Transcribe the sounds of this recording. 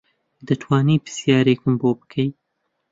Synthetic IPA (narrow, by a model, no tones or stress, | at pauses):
d̪ɨt̪ʰwɑːniːpɨ̥sjɑːɾeːkɨmboːbɨ̥kʰɐj